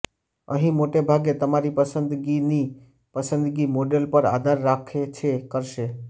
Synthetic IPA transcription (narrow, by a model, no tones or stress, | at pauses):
ə̰ɦĩmoʈebʱaɡet̪əmaɾipəsə̃nd̪ɡini | pəsə̃nd̪ɡimoɖelpəɾa̰d̪ʱaɾːakʰet͡ʃʰekəɾʃe